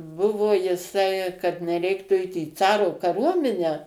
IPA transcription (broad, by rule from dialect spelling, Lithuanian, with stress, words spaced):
ˈbʊʋoː jɪˈsɐɪ kɐt nʲɛˈrʲɛɪktuː ˈɛɪt iː ˈt͡sɑːroː kɐˈruɔmʲɪnʲæː